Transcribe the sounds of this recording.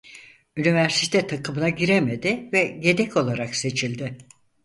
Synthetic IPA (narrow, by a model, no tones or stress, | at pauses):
ynivæɾsit̪ʰɛt̪ʰakʰɯmɯnaɟiɾemed̪ɪvɛɟe̞d̪ɛcʰo̞lˠaɾakse̞t͡ʃʰilʲd̪ɪ